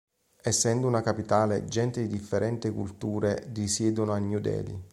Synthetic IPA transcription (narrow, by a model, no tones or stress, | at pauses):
ɛsːɛnd̪ounakapit̪aːled͡ʒɛnt̪ed̪id̪ifːeɾɛnt̪ɪkṵlt̪uːɾed̪isjɛːd̪onoanːjud̪ɛ̰ːlḭ